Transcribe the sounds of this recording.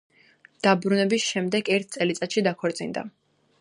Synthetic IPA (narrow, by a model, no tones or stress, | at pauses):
d̪̥abɾunɛbisʃɛmd̪ɛɡɛɾt̪̚ʰt̪sʼɛlit̪sʼat̪ʃid̪akʰɔɾt̪sʼind̪a̰